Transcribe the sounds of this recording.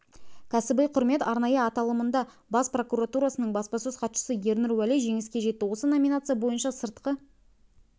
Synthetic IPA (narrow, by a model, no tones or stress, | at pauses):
kʲʰæsɪbejqʰʊɾme̞t̪ɑɾnɑjəɑt̪ɑlˠəmənd̪ɑ | bɑspro̞kuɾat̪uɾasənəɴbɑspɑsøzqɑt̪ʃə̥səje̞ɾnɪɾwæleʒe̞ŋɪskʲe̞ʒe̞t̪ːɪwo̞səno̞mʲinat̪sɨjabo̞jənʃɑsəɾt̪qə